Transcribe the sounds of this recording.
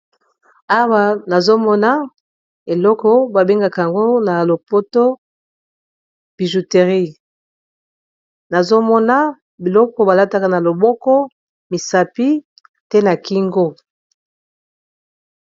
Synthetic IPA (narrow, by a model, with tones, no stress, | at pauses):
a˦wa˦na˨zo˦mɔ˦na˦ | e˨lɔ˦kɔ˦ba˨be˦ŋɡa˨ka˨a˨ŋɡo˦na˨lo˨po˦to˦ | b̥i˨ʒu˨te˨ʁi˦˨ | na˨zo˦mɔ˦na˦ | bi˨lɔ˦kɔ˨ba˨la˦ta˦ka˨na˨lo˨bɔ˦kɔ˦ | mi˨sa˨pi˦ | te˦na˨ki˦ŋɡo˦